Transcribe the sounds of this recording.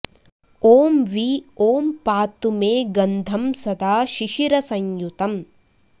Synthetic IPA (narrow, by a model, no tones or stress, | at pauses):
oːmʋioːmpaːt̪umeːɡɐnd̪ʱɐmsɐd̪ʱaːʃiʃiɾɐsɐɲjut̪ɐm